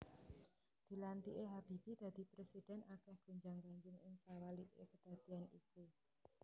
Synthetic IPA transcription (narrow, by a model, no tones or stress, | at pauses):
d̪̥i̤lant̪iʔeɦab̥i̤pid̪̥ä̤d̪̥i̤pɾesid̪̥ɛ̤nakɛhɡ̥o̤ɲd͡ʒaŋɡaɲd͡ʒɪŋɪŋsawaliʔekəd̪̥a̤d̪̥i̤aniku